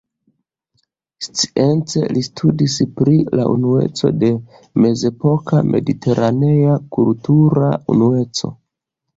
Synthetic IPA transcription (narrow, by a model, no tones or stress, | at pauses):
st͡si̥e̞nt͡se̞̰listʰudispɾilaunue̞̰t͡so̞̰de̞ | me̞ze̞po̞kamʔe̞̰ditʰe̞ɾʔane̞jakultuɾa̰ṵnue̞t͡so̞̰